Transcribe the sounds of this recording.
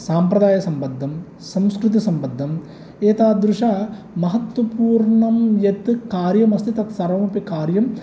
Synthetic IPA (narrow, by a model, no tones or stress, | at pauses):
saːmpɾɐd̪aːjɐsɐmpɐd̪ʱːɐm | sɐmskɾut̪̬isɐmpɐd̪ʱːɐm | eːt̪aːd̪ɾuʂɐ | mɐɦɐt̪wɐpuːɾɳɐmjet̪kaːɾjɐmɐst̪ʰit̪ɐt̪sɐɾʋɐmɐpikaːɾjɐm